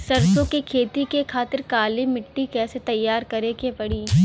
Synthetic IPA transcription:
sɐɾd͡ʒõkekʰeːt̪ikekʰaːt̪ɪɾkaːlimɪʈːikɛːset̪ɐjːaːɾkɐɾekepɐɽiː

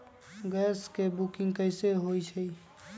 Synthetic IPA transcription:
ɡɛskebukĩŋɡkəɪseɦojt͡ʃʰəi

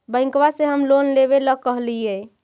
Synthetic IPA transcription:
bə̃ɪ̃ŋkwaseɦəmlonleβeləkːəɦlijɛ

